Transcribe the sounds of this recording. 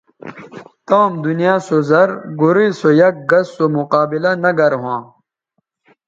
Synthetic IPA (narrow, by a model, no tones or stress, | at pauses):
t̪aːmd̪unijaːsozɐɾɡuɾisojɐk̚ɡɐsːomuqaːbilanɐɡɐɾɦãː